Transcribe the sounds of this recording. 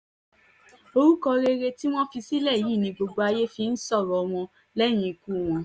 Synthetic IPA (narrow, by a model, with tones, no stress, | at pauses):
o˧ɾu˦kɔ˧ɾe˧ɾe˧ti˦w̃ɔ̃˦fi˧si˦lɛ˦˨ji˦˨nĩ˧ɡ͡bo˧ɡ͡bo˧a˧je˦fi˧n̩˦sɔ˦˨ɾɔ˨w̃ɔ̃˧ | lɛ˦˨j̃ĩ˧ku˦˨w̃ɔ̃˧